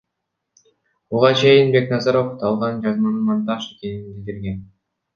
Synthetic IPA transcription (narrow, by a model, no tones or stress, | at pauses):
buʁɑt͡ʃʰe̞jinbe̞knɑzɑɾo̞ft̪ʰɑlˠʁɑnd͡ʒɑnmɯɾɯmɑnt̪ɑʃekʲe̞ninbild̪iɾɡe̞n